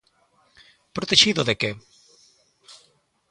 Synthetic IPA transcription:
pɾot̪eʃiðoðeke

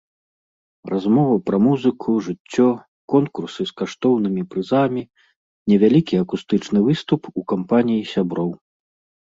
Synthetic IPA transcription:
razmɔvɐpɾɐmuzɨkʰuʐɨt͡sʲːɔ | kɔnkursɨskaʂt̪ɔwnɨmʲipɾɨzamʲi | nʲɛvʲalʲikʲiakust̪ɨt͡ʂnɨvɨst̪upukampanʲijisʲabɾɔw

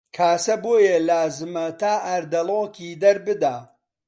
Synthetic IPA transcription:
kʰaːsɐboːjɐlaːzɨmɐt̪ʰaːʔɐɾd̪ɐlˠoːkʰiːd̪ɐɾbɨd̪aː

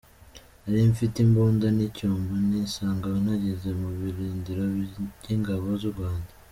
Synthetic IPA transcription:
aɾiɱfitimbuːndanicuːmbuniːnsaːŋɡawinhaɟeze̞muβiɾiːndiɾo̞ɟiŋɡaβo̞zuɾɡwaːnda

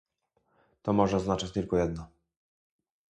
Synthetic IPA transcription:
t̪ɔmɔʐɛɔznat͡ʂat͡ɕt̪ɘlkɔjɛd̪nɔ

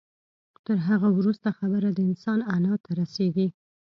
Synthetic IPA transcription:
t̪əɾɦaɣawɾust̪axabəɾad̪əɪnsɑnanɑt̪ʰaɾaseɡ̪i

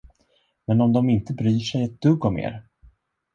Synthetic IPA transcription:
mɛnɔmd̪ɔmɪnt̪əbɾyːʂɛjɛt̪̚d̪̥ɵɡːɔmḛːɾ

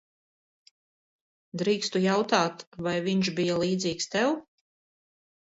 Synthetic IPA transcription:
d̪ɾiːkst̪ujawt̪aːt̪vajviɲʃbijalˠiːd̪ziːkst̪ɛw

